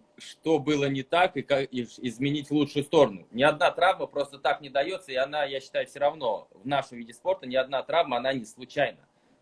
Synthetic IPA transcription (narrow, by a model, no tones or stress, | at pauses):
ʂt̪o̞bɨlˠənʲɪt̪akɨkaɪɪzmʲɪnʲitʲlˠut͡ʂʂʊjʊst̪o̞ɾənʊ̰nʲɪɐd̪nat̪ɾavməpɾo̞st̪ət̪aknʲɪd̪ɐjo̞t̪səɪɐnajaɕːɪ̥t̪ajʊfsʲɪɾɐvno̞̰vnaʂəmvidʲɪspo̞rt̪ənʲɪɐd̪̚nat̪ɾavməɐnanʲɪslˠʊt͡ɕæjnə